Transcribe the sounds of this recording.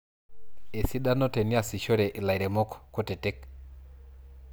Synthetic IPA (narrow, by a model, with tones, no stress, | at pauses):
e˨si˦da˦nɔ˦te˨ni˦a˨si˨ʃo˦ɾe˨ʔɪ˨la˨i˨ɾe˨mo˦kko˦te˨te˦k̚